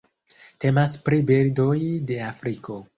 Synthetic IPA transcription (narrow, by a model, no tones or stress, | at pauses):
te̞maspɾibiɾdo̞jde̞afɾikʰo̞